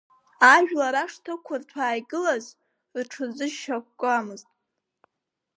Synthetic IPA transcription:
aʒᶣlaɾaʂtʰɨkʷʰartʷʰaːjɡɨlaz | rʈ͡ʂʰɨzɨʒʃakʷkʷʼamɨztʼ

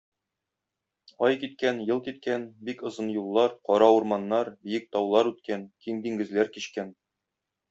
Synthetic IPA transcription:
ɒjkit̪kænjɤ̆lˠkit̪kænbikŏzɤnjulˠːɑɾqɒɾɑuɾmɑnːɑɾbijɘk̚t̪ɒwlˠɑɾʉt̪̚kænkimd̪iŋɡɘ̆zlæɾkiɕkæn

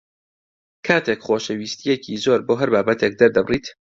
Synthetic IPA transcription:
kʰaːt̪ʰekχoːʃəwiːst̪ʰijekʰizoːɾboːɦɐɾbaːbɐt̪ʰek̚d̪ɐɾd̪ɐbriːt̪

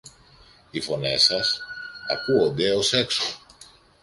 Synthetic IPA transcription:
ifo̞ne̞̰sɐsɐ̰kuond̪e̞o̞se̞kso̥

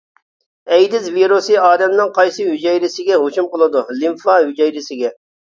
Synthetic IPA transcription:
ɛjd̪ɪzviɾusɨɑːd̪ɛmnɪŋqɑjsɨɦyd͡ʒɛjɾɪsɪɡʲɛɦot͡ʃumqəlˠɨd̪ulimfɑɦyd͡ʒɛjɾɪsɪɡʲɛ

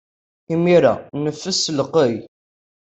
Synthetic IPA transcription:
imiɾæ̰nəfːəsəlqəj

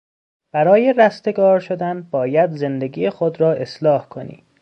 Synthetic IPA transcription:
b̥æɾɒːje̞ɾæst̪e̞ɡɒːɾʃo̞d̪ænbɒːjæd̪ze̞nd̪e̞ɡiːjexod̪ɾɒːʔe̞slɒːhkʰo̞nḭ̥ː

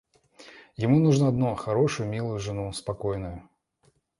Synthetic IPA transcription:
jɪmunuʐnəɐd̪nuxɐɾoʂʊjʊmʲilˠʊjʊʐɨnuspɐkojnʊjʊ

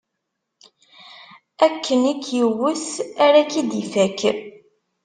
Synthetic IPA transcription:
ækʰːənikʰːjiwəsæɾækid̪ifæk

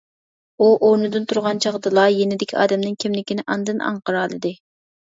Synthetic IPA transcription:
uʔoɾnɨd̪ɨnt̪ʰuɾʁɑnt͡ʃʰɑʁd̪ɨlˠɑjenɪd̪ɪkʲʰiɑ̰ːd̪ɛmnɪŋkʲʰimlɪkʲinɪʔɑnd̪ɨnɑ̰ɴqəɾɑːlˠɨd̪ɨ

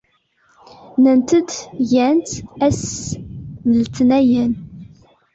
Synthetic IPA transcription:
nənt̪əd̪ʝænt̪æs | nəlt̪næjən

